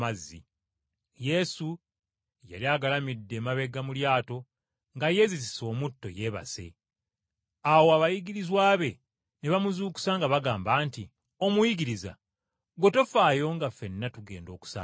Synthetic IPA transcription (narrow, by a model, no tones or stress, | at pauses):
azːḭ | je̞su | ja̰liaːɡalamidːe̞ːmaβe̞ɡamuljaːto̞ | ŋɡaje̞ziz̬iso̞ːmutːo̞̰je̞βa̰se̞̰ | awoaβajiɡiɾizwaːβe̞ | neβamuzuːku̥saŋɡaβaɡaːmbaːnti | o̞mujiɡiɾiza̰ | ɡwo̞tofaːjo̞ŋɡafe̞nːatuɡe̞ːndo̞ːku̥sa̰ː